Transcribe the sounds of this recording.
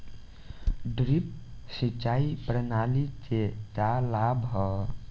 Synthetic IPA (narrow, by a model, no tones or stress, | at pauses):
ɖɾip̚sit͡ʃaipɾənalit͡ʃet͡ʃalabɦɔ